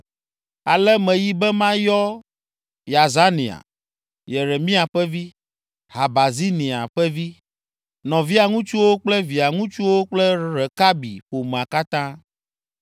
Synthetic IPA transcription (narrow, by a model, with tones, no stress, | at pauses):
a˨lɛ˦mɛ̃˨ji˦bɛ˦mã˦jɔ˦ | ja˨za˦nḭ̃˨a̰˨ | jɛ˨ɾe˨mĩ˦a˨ɸɛ˦vi˦ | ha˨ba˨zi˦nĩ˨a˨ɸɛ˦vi˦ | nɔ̃˨vi˦a˨ŋũ˦t͡ʃu˦wo˦k͡plɛ˦vi˨a˨ŋũ˦t͡ʃu˦wo˦k͡plɛ˦ɾɛ˨ka˦bḭ˨ɸo˨mẽ˨a˨ka˦t̪ã˦